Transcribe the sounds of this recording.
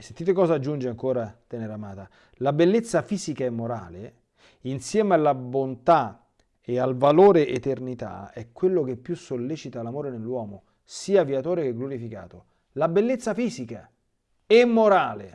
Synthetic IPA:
sent̪iːt̪ekɔːzaːd͡ʒːund͡ʒeaŋkoːɾat̪enɛɾamaːt̪a | labelːet̪sːafiːzikaɛmːoɾa̰ːle | insjɛːmealːabont̪a | ealvaloːɾeʔet̪ernit̪a̰ɛkːwelːok̟epːjusolːeːt͡ʃit̪alamoːɾenelːwɔːmo | siːaviat̪oːɾekeɡloɾifika̰ːt̪o | labelːet̪sːafiːzika | ɛmːoɾaːle

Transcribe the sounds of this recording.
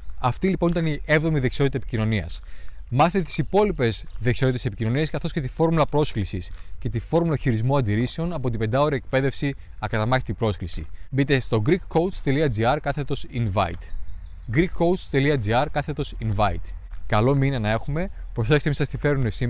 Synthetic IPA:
ɐft̪ilipo̞nit̪ɐnie̞vðo̞miðe̞ksio̞t̪it̪ɐepi̥cino̞niɐ̰s | mɐθet̪et̪isipo̞lipe̞zðe̞ksiot̪t̪esepicino̞niɐskɐθo̞sce̞t̪ifo̞ɾmulɐpɾo̞sklisisce̞t̪ifo̞ɾmulɐçiɾizmuɐnd̪iɾise̞o̞nɐpo̞t̪ibe̞nd̪ɐo̞ɾiek̚pe̞ðe̞fsi | ɐkɐt̪ɐmɐçi̥t̪ipɾo̞sklisḭbit̪e̞st̪o̞ɡɾikːowt̪st̪e̞liɐd͡ziɐɾkɐθe̞t̪o̞sinvɐ̰ḭt̪ | ɡɾikːoust̪e̞liɐd͡ziɐɾkɐθe̞t̪o̞sinvɐit̪kɐlo̞minɐnɐe̞xume̞pɾosekseisɐst̪ife̞ɾunesi

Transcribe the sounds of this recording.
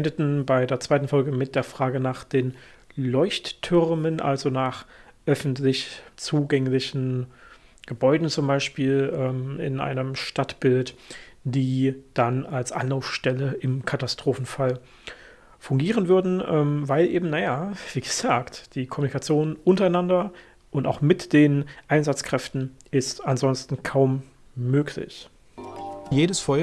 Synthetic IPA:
ɛndətn̩baɪdeːɐt͡saɪtn̩fɔlɡəmɪt̚d̥eːɐfʁ̥aːɡənaːχd̥eːn | lɔʏçttʰːʏʁmənʔa̰lzonaːχʔœfn̩tlɪçt͡suːɡɛŋlɪçn̩ | ɡ̥əbɔʏdn̩t͡sʊmbaɪʃpiːlɛːmɪ̰nʔa̰ɪnəmʃtatb̥ɪlt | d̥iːd̥analsʔa̰nlaʊfʃtɛləʔɪmkʰatastʁ̥oːfn̩fal | fʊŋɡiːʁənvʏɐdn̩ʔɛːmvaɪlʔeːbm̩najav̥iːɡ̥əz̥aːktd̥iːkʰɔmunikat͡sjoːnʔʊntɐaɪnandɐ | ʔʊntaʊxmɪtd̥eːnʔaɪnzat͡skʁ̥ɛftn̩ʔɪstanzɔnstn̩kʰaʊmː | øːkʰlɪ̰ç | jeːdəsfɔʏ

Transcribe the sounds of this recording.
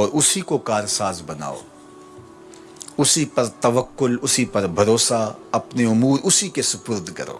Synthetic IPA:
ɔːɾʊsikokaːɾsaːzbɐna̰ːo̰ː | ʊsipɐɾt̪ɐʋəkːʊlʊsipɐɾbʱɐɾoːsaɐpneʊmuːɾʊsikesʊpʊɾd̪ʱkɐ̰ɾo̰ː

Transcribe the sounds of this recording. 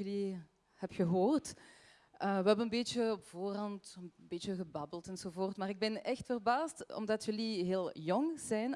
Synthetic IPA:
jəli | hɛpxəɦoːrt | əʋəɦɛbənənbeːtəɔpv̥oːrɑntbeːtəɣəbɑbəlˠtɛnzovoːrtmaːrɪɡ̚bɛnɛxtfərbaːstɔ̰mdɑtjɵliɦeːlˠjɔŋz̥ɛjn

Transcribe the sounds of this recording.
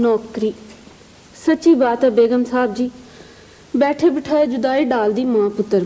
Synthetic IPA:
nɔːkɾiː | sətːt͡ʃiːbaːt̪ɛːbeːɡəmsaːb̚d͡ʒiː | bɛːʈʰeːbɪʈʰaːeːd͡ʒʊd̪aːiːɖaːld̪iːmãːpʊt̪ːəɾ

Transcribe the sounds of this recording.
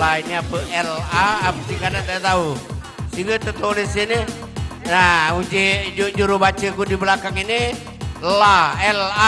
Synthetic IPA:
ainiapəʔɛlaːpə̥sikadaʔd̪at̪au | siŋɡat̪ət̪olisene | naud͡ʒed͡ʒod͡ʒuɾubat͡ʃəkudibəlakaŋini | laɛla

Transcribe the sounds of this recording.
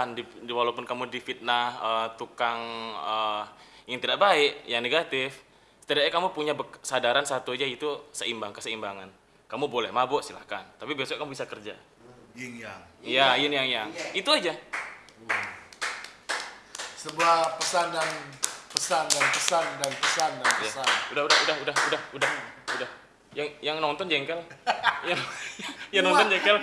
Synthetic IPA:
ndiwalapʊnkamudifit̪̚nahət̪ukaŋəjaŋt̪idaʔbaɪʔjaŋneɡat̪ɪf | sə̥t̪idaʔɲakamupuɲabəsadaɾansat̪uad͡ʒait̪usəimbaŋkəsəimbaŋan | kamubolɛhmabʊʔsila̰hkant̪apibesoakamubisakərd͡ʒa | jiŋjaŋjajɪnjaŋjaŋit̪uad͡ʒa | səbuahpəsandanpəsandanpəsandanpəsandanjasanudahudahudaɦudahudahudahudah | jaŋjaŋnɔnt̪ɔnd͡ʒɛŋkɛlja | jaŋnɔt̪ɔnd͡ʒɛŋkɛl

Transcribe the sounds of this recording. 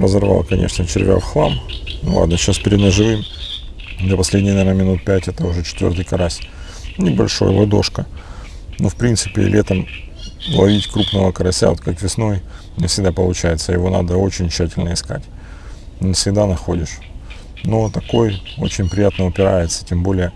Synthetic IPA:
rəzɐrva̰lˠkɐnʲʔḛʂnət͡ɕɪɾʲvʲa̰fxlˠa̰mnʊ̰lˠa̰d̪nəɕaspʲɪɾʲɪd̪nəʐɨvɨm | d̪ʲɐpɐsʲlʲedʲnʲɪjnɐvʲernəmʲɪnut̪̚pʲætʲɛt̪əʊʐɛt͡ɕɪ̥t̪vʲo̞rt̪ɨjkɐɾasʲ | nʲɪbɐlʲʂo̞̰jvɐd̪o̞̰ʂkə | nofpɾʲint̪sɨpʲɪ̰lʲʔet̪əm | lˠɐvʲitʲkɾupnəvəkəɐɾɐsʲa̰ot̪kakvʲɪsno̞j | nʲɪfsʲɪɡd̪apəlˠʊt͡ɕæjɪt̪səjɪ̰vo̞na̰d̪əo̞t͡ɕɪnʲɕːætʲɪlʲnəɪska̰tʲ | nʲɪfsʲɪɡd̪anɐxo̞dʲɪʂ | no̞t̪ɐko̞jo̞̰t͡ɕɪnʲpɾʲɪjat̪nəʊpʲɪɾajɪt̪sə̥tʲembo̞lʲɪjə

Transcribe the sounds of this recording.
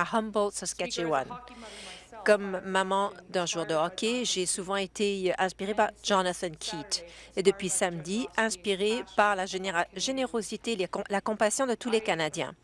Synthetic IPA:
ahɔ̃mbɔld̪səskʲatt͡ʃewa̰n | kɔmːamɑ̃d̪ɛ̃ʒuːʁd̪əɔkʲeʒesuvɑ̃et̪ʰeɛ̃spiʁepaʁʒɑnaθɛnkʲʰit̪ed̪əpɥisamd̪iɛ̃spiʁepaʁlaʒʒeneʁozit̪el̃lakɔ̃pasjɔ̃d̪ət̪ulekanad̪jɛ̰̃

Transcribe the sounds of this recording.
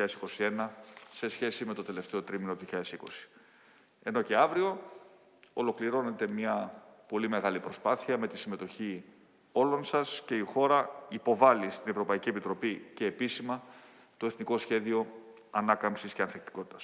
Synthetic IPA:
ɐesi̥ko̞sie̞nɐse̞sçe̞sime̞t̪o̞t̪e̞le̞ft̪e̞o̞t̪ɾiminoðijoçiʎɐðesiko̞si̥ | e̞no̞ce̞ɐvɾio̞ | olo̞kliɾo̞ne̞t̪e̞mɲɐpo̞lime̞ɣɐlipɾo̞spɐθiɐme̞t̪isime̞t̪o̞çi | o̞lo̞nsɐsce̞ixo̞ɾɐipo̞vɐlist̪ine̞vɾo̞pɐicie̞pit̪ɾo̞pice̞ːpisimɐ | t̪o̞eθniko̞sçe̞ðio̞ | ɐnɐkɐmpsisceɐnθek̚t̪i̥ko̞t̪it̪ɐs

